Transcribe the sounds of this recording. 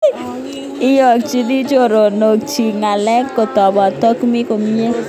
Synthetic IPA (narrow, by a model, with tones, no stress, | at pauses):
ɪ˦jɔ˨k̚t͡ʃi˦di˦t͡ʃo˦˨ɾo˨no˨k̚t͡ʃi˨ŋa˨lɛ˦kːo˨tɔ˨bɔ˨tɔ˦kmi˦ko˨mi˦e˦